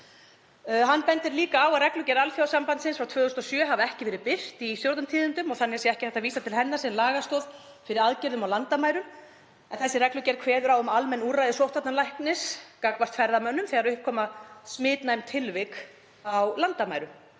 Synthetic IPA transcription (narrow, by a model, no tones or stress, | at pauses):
ɦanːpɛnt̪ɪɾliːkaːwarɛklʏcɛɾalfjawsampant̪sɪnsfɾawt̪ʰvœːɣʏʏst̪ɔsjœːɦavaɛhcɪvɛːɾɪðpɪr̥t̪istjowɾt̪amt̪ʰiːðɪnt̪ʏmɔɣθanɛasɛɛhcɪ̥θɛht̪aviːsat̪ʰɪlɦɛnːasɛnlaːɣast̪oːð | fɪɾɪɾaðcɪɾðʏmawlant̪amaːjɾʏm | ɛnθɛsːɪɾrɛklʏcɛɾkʰvɛːðʏɾawʏmalmɛnːuɾrajðɪsowht̪ʰat̪nanlajhknɪskakvast̪fɛɾðamœnːʏmθɛɣaɾʏhp̚kʰɔːmasmɪːt̪najmt̪ʰɪlvɪk | awlant̪ama̰ːjɾʏm